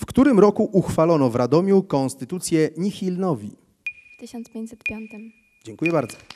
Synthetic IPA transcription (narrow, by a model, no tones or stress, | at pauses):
fkt̪uɾɘmɾɔkuʔuxfalɔnɔvɾad̪ɔmʲjukɔnst̪ɘt̪ut̪sʲjɛɲixʲilnɔvʲi | ft̪ɘɕɔnt̪spʲẽɲt͡ɕʲsɛt̪pʲjɔnt̪ɘm | d͡ʑɛŋkujɛbaɾd̪zɔ̥